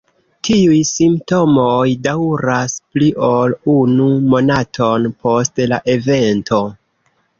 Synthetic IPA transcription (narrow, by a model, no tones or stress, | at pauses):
tʰiujsimpto̞mojdawɾaspliʔo̞lunumonatʰo̞npʰo̞stlaʔe̞ve̞ntʰo̞